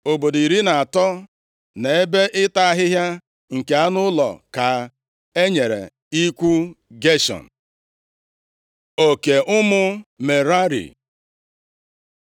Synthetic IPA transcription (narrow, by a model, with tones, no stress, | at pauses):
o˨bo˨di˨ɾi˦na˨a˨tɔ˦ | ne˨e˦be˦ʔɪ˦ta˦a˦ɦɪ˦ɦja˦ | ŋ̩˨ke˨a˦nʊ˦lɔ̰˨ka˨ | e˦ɲe˨ɾḛ˨ | i˦kʷu˦ɡe˦ʃɔ̰˨n̩˨ | o˨ke˨ʔʊ˦mʊ˦me˨ɾa˦ɾḭ˨